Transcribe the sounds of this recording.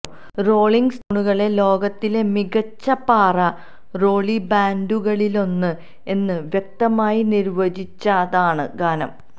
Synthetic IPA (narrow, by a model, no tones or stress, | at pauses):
ro̞ːɭiŋɡst̪uɳuɣɐɭe̞lo̞ːɡɐt̪ːile̞miɣɐt͡ɕːɐpaːrɐ | ro̞ːɭibaːnduɣɐɭilo̞nːɨ | e̞nːɨʋjek̚t̪ɐmaːjiniɾʋɐd͡ʑit͡ɕːaːðaːɳɨ̰ɡaːnɐ̰m